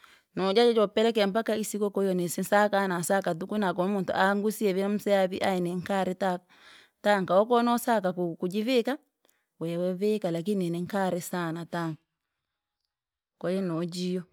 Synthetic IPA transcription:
nɔd͡ʒad͡ʒɔd͡ʒɔpɛlɛk̬ɛm̩bakaisikɔkɔjɔnɛsinsakanasakat̬ukunak̬ɔmuntṵʔaŋɡusiɛβim̩sɛaβiʔaɛnɛŋkaɾɛta | taŋkaɔkɔnɔsakakukud͡ʒiβeka | wɛwɛβekalak̬inɛnɛŋkaɾɛsanataŋ | kɔjɛnɔd͡ʒijɔ

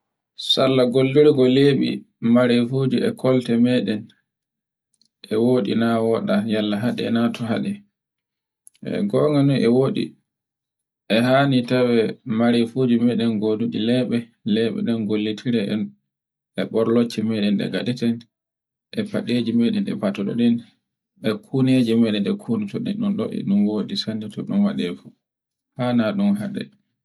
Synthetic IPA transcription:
salːaɡolːiɾɛɡɔleːɓḭ | maɾefod͡ʒiɛkʰɔltɛmɛɗɛn | ʔɛwoːɗḭnawɔɗajalːaɦaɗɛ̰ɛnatɔɦaɗɛ | ɛ̰ɡɔŋɡanuʔɛwoːɗḭ | ʔɛɦaːnitawɛmaɾefod͡ʒimɛɗɛnɡoduɗilɛɓɛ | lɛɓɛ̰ɗɛnɡolːitʰiɾɛʔɛn | ʔɛɓɔɾlot͡ʃːimɛɗɛnɗɛ̰ɡadɛtan | ʔɛpaɗed͡ʒimɛɗɛnɛ̰batɔɗɔ̰ɗin | ɛkʰuned͡ʒimɛɗɛnɛkʰunitɔɗɛ̰ɗunɗɔ̰ʔɛ̰ɗunwoːɗisanditɔɗunwaɗɛfu | hanaɗunɦaɗɛ̰

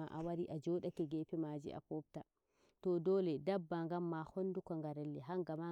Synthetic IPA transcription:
aʔa̰waɾiʔad͡ʒɔːɗakɛɡɛpɛmaːd͡ʒḭʔa̰pɔp̚ta | tɔdɔːlɛdabːaŋɡamːahɔnːdukɔŋɡaɾɛlːɛɦaŋɡama

